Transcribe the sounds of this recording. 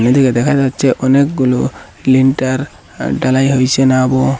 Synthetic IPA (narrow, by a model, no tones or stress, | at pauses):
ned̪ikɛd̪ɛkʰatɔtːt͡ʃʰɛʔɔnek̚ɡulu | linʈaɾ | ɖalajɦojsenabɔ